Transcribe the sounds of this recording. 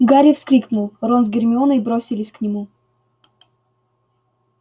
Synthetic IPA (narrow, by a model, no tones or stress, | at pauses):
ɡaɾʲɪfskɾʲiknʊlˠronzɡʲɪrmʲɪonəibɾosʲɪlʲɪsʲknʲɪmu